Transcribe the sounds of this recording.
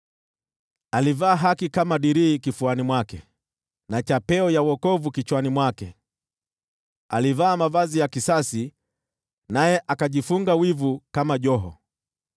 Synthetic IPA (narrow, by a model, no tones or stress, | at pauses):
alivaːɦakikamaɗiɾiːkifuanimwakɛ | nat͡ʃapɛɔjawɔkɔvukit͡ʃwanimwakɛ | alivaːmavazijakisasi | najɛʔakaʄifuŋɡawivukamaʄɔɦɔ̰